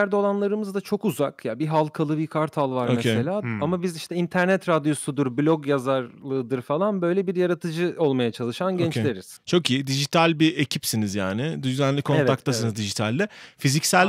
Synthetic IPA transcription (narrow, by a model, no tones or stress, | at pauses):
æɾd̪olˠanlˠaɾɯmɯzd̪at͡ʃʰo̞kuzakjabiɦalˠkʰalˠɯbikʰaɾt̪ʰalˠvaɾomecʰese̞lʲaːamabiziʃt̪ʰɛint̪ʰæɾnɛt̪ɾad̪ijo̞sud̪uɾblʲo̞ɡjazaɾlˠɯːd̪ɯɾfalˠanbøjlʲɛbiɾjaɾat̪ʰɯd͡ʒɯo̞lˠmajat͡ʃʰalˠɯʃanɟɛnt͡ʃlʲeɾiz̥t͡ʃʰo̞kʰiːd̪iʒit̪ʰalʲbiʔecʰipsinizjaːnɪd̪yzænlʲikʰo̞nvakt̪ːas̬ɯnɯzd̪iʒit̪ʰalʲd̪ɛfizicsælʲ